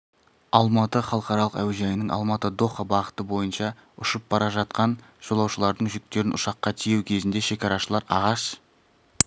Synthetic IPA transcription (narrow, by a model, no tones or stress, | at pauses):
ɑlˠmɑt̪əχɑlˠəqɑɾɑlˠəqæwʒɑjnəɴʔɑ̰lˠmɑt̪əd̪o̞χɑbɑʁət̪əbo̞jənʃɑ | ʊʃəp̚bɑɾɑʒɑt̪̚qɑn | ʒ̥o̞lˠɑwʃəlˠɑɾd̪əɴʒʏk̚t̪e̞ɾɪnʔʊ̰ʃɑqːɑt̪ʰijewkʲʰe̞zɪnd̪e̞ʃe̞kʲɑɾɑʃəlˠɑɾɑ̰ʁɑʃ